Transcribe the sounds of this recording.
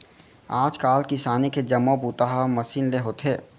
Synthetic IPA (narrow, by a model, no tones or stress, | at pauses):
aːd͡ʒkaːlkisaːniked͡ʒɐmobuːt̪aɦamɐsiːnleɦoːt̪ʰɦeː